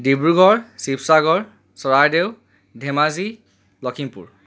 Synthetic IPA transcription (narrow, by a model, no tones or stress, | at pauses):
dibɹuɡɔɹsipsaɡɔɹ | sɔɹaɹdew | dʱemazi | lɔkʰimpṵɹ